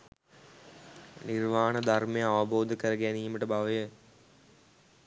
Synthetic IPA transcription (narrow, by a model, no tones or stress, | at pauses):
nirʋaːɳəd̪ʱarmejəaʋəboːd̪ʱəkəɾəɡæniːməʈəbaʋəjə